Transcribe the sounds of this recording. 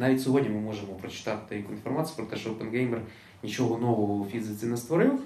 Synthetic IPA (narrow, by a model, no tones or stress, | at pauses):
navʲɪtʲsʲɪvodʲnʲəmɨmo̞ʐɨmʊpɾət͡ɕɪ̥t̪at̪ʲt̪ɐjikɪnfɐrmat̪sɨ̥pɾot̪ɐʂoopənɡejmʲɪr | nʲɪt͡ɕɪvonovəəfʲizʲɨsɨnəst̪vɐɾʲu